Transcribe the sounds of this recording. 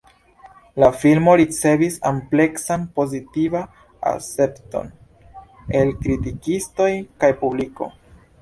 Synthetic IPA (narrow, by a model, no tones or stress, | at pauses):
lafilmo̞ɾit͡se̞visample̞ksanpo̞zitiva | a̰se̞pto̞̰n | e̞lkɾitikisto̞jkajpubliko̞̰